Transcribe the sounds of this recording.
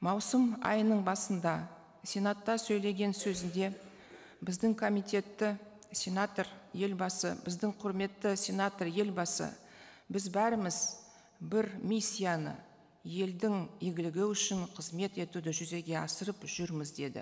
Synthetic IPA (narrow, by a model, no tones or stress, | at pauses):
mɑwsəmɑ̰jənəɴbɑsənd̪ɑ | sʲe̞nat̪ːɑsɵjle̞ɡʲe̞nsɵzɪnd̪e̞ | bɪzd̪ɪŋkʰo̞mijt̪e̞t̪ːɪ | sʲe̞nat̪rje̞lbɑsə̰bɪzd̪ɪŋqʰʊɾme̞t̪ːɪsʲe̞nat̪rje̞lbɑsə̰ | bɪzbæɾɪmɪz | bɪɾmisʲːijanə̰ | je̞ld̪ɪŋeɡʲɪlɪɡʲɪʏʃɪɴqʰəzme̞t̪e̞t̪ud̪ɪʒʏze̞ɡʲe̞ɑsəɾəpʒ̥ʏɾmɪzd̪e̞d̪ɪ̰